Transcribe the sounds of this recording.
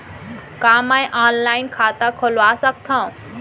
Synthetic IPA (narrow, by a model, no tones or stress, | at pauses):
kamajʔaːnlaːinkʰaːt̪akʰolʋasək̚t̪ʰã